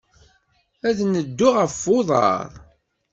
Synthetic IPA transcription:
æðnəd̪ːʊʁəfːoðˤɑ̰ɾˤ

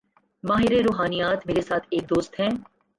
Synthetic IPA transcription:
maːɦɪɾeɾoːɦaːnijaːt̪ʰmeːɾesaːt̪ʰeːk̚d̪oːst̪ɦɛ̃ː

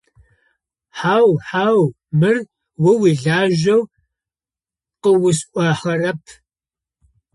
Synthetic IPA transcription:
ħaːwħaːw | mɨr | wʊwiːɮaːʒɐw | qəwʊsʔʷɑːħɐrɐpʰ

